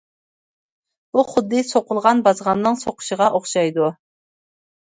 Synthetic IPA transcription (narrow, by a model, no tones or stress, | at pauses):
b̥uχʊd̪ːɨsoqʊlˠʁɑnbɑzʁɑnːɨŋsoqʰʊ̥ʃəʁɑʔoχʃɑjd̪u